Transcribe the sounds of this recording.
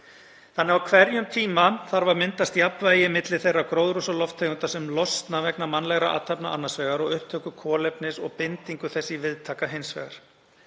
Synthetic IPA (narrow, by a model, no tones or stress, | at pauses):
θanːɛawkʰvɛɾjʏmt̪ʰiːmaθaɾvaɾmɪnt̪ast̪japvaːjɪmɪt̪lɪ̥θejrːakɾoːwðɾusalɔft̪ʰːeːɣʏnt̪asɛmlɔst̪navɛknamanːlɛɣɾa̰ʔa̰t̪ʰapna̰ʔa̰nːasvɛːɣaɾɔɣʏhp̚t̪ʰœːkʏkʰɔːlɛpnɪsɔɣpɪnt̪iŋkʏθɛsːɪvɪðt̪ʰaːkaɦejnsvɛ̰ːɣa̰ɾ̥